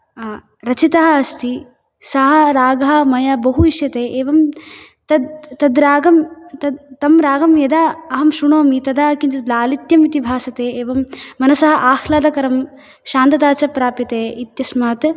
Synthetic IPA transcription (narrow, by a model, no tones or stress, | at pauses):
ɾɐt͡ʃit̪ɐɦɐɐst̪ʰi | sɐɦɐɾaːɡɐɦɐmɐjɐbɐɦuiʃjɐt̪eːʔeːʋɐm | t̪ɐd̪t̪ɐd̪ɾaːɡɐmt̪ɐt̪ɐmɾaːɡɐmjɐd̪aɐɦɐmʃuɳoːmit̪ɐd̪aːkiɲt͡ʃɐt̪laːlit̪jɐmit̪ibʱaːsɐt̪eːeːʋɐmːɐnɐsɐɦɐʔaːxlaːd̪ɐkɐɾɐm | ʃaːnt̪ɐt̪aːt͡ʃɐpɾaːpit̪eːit̪jɐsmaːt̪